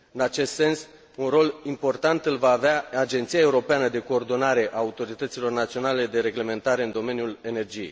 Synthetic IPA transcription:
ɨnat͡ʃe̞st̪se̞ns | unro̞limpo̞rt̪ant̪ɨlvaːveaad͡ʒe̞nt̪sijaeuɾo̞peanəd̪e̞ko̞ːrd̪o̞naɾe̞ʔaːut̪o̞ɾit̪ət̪silo̞rnat̪sio̞nale̞d̪e̞ɾe̞ɡle̞me̞nt̪aɾe̞ɨnd̪o̞me̞nʲjule̞ne̞rd͡ʒijej

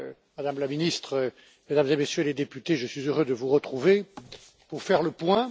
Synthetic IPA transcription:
mad̪amlaminist̪χə | med̪amzemesjøled̪epyt̪eʒəsɥizøʁød̪əvuʁət̪χuve | puʁfɛʁləpwɛ̃

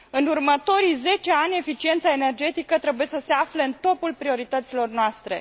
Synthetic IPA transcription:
ɨnurmət̪o̞ɾijze̞t͡ʃe̞anʲe̞fit͡ʃie̞nt̪saene̞rd͡ʒe̞t̪ikət̪ɾe̞buje̞səse̞afleɨnt̪o̞pulpɾio̞ɾit̪ət̪silo̞rnoast̪ɾe̞̰

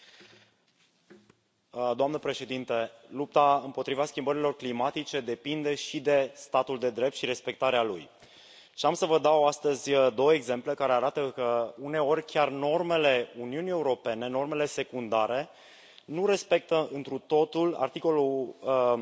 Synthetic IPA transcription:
d̪oamnəpɾe̞ʃe̞d̪int̪elup̚t̪aɨmpo̞t̪ɾivaskʲimbəɾilo̞rklimat̪it͡ʃe̞d̪e̞pind̪e̞ʃid̪e̞st̪at̪uld̪e̞d̪ɾe̞p̚t̪ʃiɾe̞spe̞k̚t̪aɾealṵj | ʃiamsəvəd̪awast̪əzʲd̪o̞wəeɡze̞mple̞kaɾe̞aɾat̪əkəune̞o̞rʲkʲarno̞rme̞le̞uniunije̞uɾo̞pe̞ne̞no̞rme̞le̞se̞kund̪aɾe̞ | nuɾe̞spe̞k̚t̪əɨnt̪ɾut̪o̞t̪ula̰rt̪iko̞lu

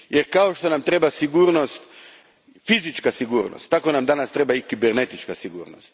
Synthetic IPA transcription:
jeɾkaoʃt̪onamt̪ɾebasiɡuːɾnost̪ | fizit͡ʃkasiɡuːɾno̰st̪ːako̞namd̪anast̪ɾebaikibeɾnet̪it͡ʃkasiɡṵːɾno̰st̪

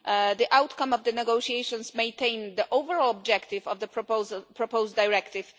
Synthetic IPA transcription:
d̪iʔawt̪kãmɔvd̪ənɛɡoʃiejʃɔ̃nsmẽj̃nt̪ẽj̃nd̪əʔowvɛɹɔlɔb̚d͡ʒɛkt̪ɪvɔvd̪əpɹɔpozpɹɔpowst̪dajɹɛkt̪ɪf

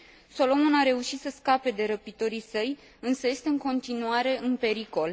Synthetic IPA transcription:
so̞lo̞monaɾe̞uʃit̪səskape̞d̪e̞ɾəpit̪o̞ɾisəj | ɨnsəje̞st̪e̞ɨŋko̞nt̪inuaɾe̞ʔɨnpe̞ɾiko̞l

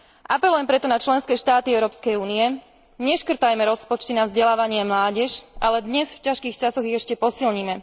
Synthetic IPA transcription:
ʔapɛlujɛmpɾɛt̪ɔnat͡ʃlɛnskɛːʃt̪aːt̪iɛʊɾɔːpskɛjuːniɛ | ɲɛʃkr̩t̪ajmɛɾɔspɔt͡ʃt̪inavzɟɛlaːʋaɲɪɛmlaːɟɛʃʔalɛd̪ɲɛsfcaʃkiːxt͡ʃasɔɣiɣɛʃcɛpɔsilɲimɛ

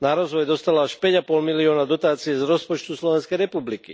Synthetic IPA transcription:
naɾɔzʋɔjd̪ɔst̪alɔaʃpɛɟapɔlmiliɔːnad̪ɔt̪aːt͡siɛzɾɔspɔt͡ʃt̪uslɔʋɛnskɛjɾɛpublikḭ

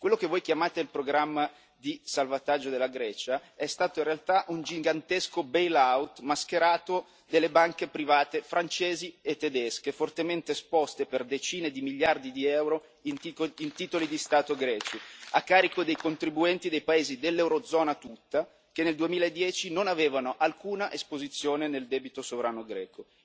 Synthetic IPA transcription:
kwelːokevːojk̟jamaːt̪eilpɾoɡɾamːa | d̪isalvat̪ad͡ʒːod̪elːaɡɾɛːt͡ʃaɛst̪aːt̪oinrealt̪aʔund͡ʒiŋɡant̪eskobejlawt̪mask̟eɾaːt̪o | d̪elːebaŋkepɾivaːt̪efɾʔant͡ʃeːziet̪ːed̪ɛskefort̪ement̪espɔst̪eperd̪et͡ʃiːned̪imiʎːard̪id̪iɛwɾo | niint̪iːt̪olid̪ist̪aːt̪oɡɾɛːt͡ʃiakːaːɾikod̪ejkont̪ɾibuɛnt̪id̪ejpaeːzid̪elːɛwɾod̪zɔːnat̪ut̪ːa | k̟enːeld̪uemiːlaed̪ːjɛːt͡ʃinonaveːvanoʔalkuːnaʔespozit̪sːjoːneneld̪ɛːbit̪osovɾaːnoɡɾɛːko

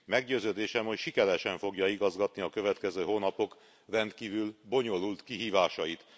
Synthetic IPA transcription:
mɛɡɟøːzøːd̪eːʃɛmhocʃikɛɾɛʃɛɱfo̞ɡjɒiɡɒzɡɒt̪niɒkø̞vɛt̪kɛzøːɦoːnɒpo̞k | rɛnt̪kiːvylbo̞ɲo̞lult̪kiɦiːvaːʃɒjit̪

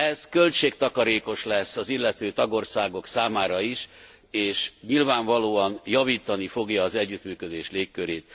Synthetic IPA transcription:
ɛzkø̞lt͡ʃeːk̚t̪ɒkɒɾeːko̞ʃlɛsːɒzilːɛt̪øːt̪ɒɡo̞rsaːɡo̞ksaːmaːɾɒiʃ | eːʃɲilvaːɱvɒloːɒnjɒviːt̪ɒnifo̞ɡjɒːzɛɟːyt̪myːkø̞d̪eːʃleːkːøɾeːt̪̚

